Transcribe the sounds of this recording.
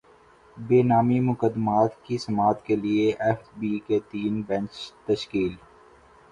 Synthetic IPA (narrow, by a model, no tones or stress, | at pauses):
beːnaːmimʊkəd̪ːmaːt̪kisɐmaːt̪kelieʔɛfbiːket̪iːnbɛ̃nt͡ʃt̪əʃkiːl